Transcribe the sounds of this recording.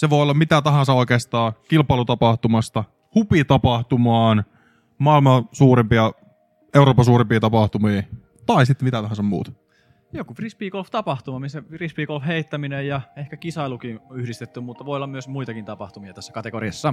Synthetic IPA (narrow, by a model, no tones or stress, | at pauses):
seʋoˑolːɑmmit̪æt̪ɑɦɑ̃nsɑoikeːst̪ɑːkilpɑˑilut̪ɑpɑht̪umɑst̪ɑ | hupit̪ɑpɑht̪umɑːn | mɑilmɑsuːɾempiɑ | ewɾoːpːɑsuːɾempiːt̪ɑpɑht̪umiː | t̪ɑisit̪ːemit̪æt̪ɑɦɑ̃nsɑmmṵːt̪ɑ̥ | jokufrispiːkolft̪ɑpɑht̪umɑmisæfrispiːkolfheit̪ːæminejjɑehkækisɑilukinyhɾist̪et̪ːymmut̪ːɑʋoiolːɑmyøsmuit̪ɑkint̪ɑpɑht̪umiɑt̪æsːæ̥kɑt̪ekoriɑsːɑ